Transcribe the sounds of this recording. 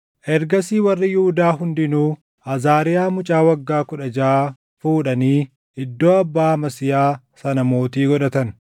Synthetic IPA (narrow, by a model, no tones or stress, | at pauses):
ʔɛɾɡɐsiːwɐrːɪjʊhʊd̪aːɦʊnd̪ɪnuː | ʔɐzaːɾɪjaːmʊt͡ʃʼaːwɐɡːaːkʊᶑɐd͡ʒɐaː | fuːᶑɐniː | ʔɪd̪ːoːɐbːaːmɐsɪjaː | sɐnɐmo̞ːt̪iːɡɔᶑɐt̪ɐn